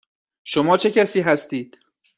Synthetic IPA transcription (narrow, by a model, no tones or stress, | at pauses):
ʃomɒːt͡ʃʰe̞cæsiːɦæst̪iːd̪̥